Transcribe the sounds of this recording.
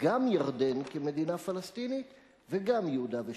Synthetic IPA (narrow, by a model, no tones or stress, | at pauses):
ɡamjaʁd̪e̞nkeme̞d̪inafalast̪init̪ | veɡamjeud̪ave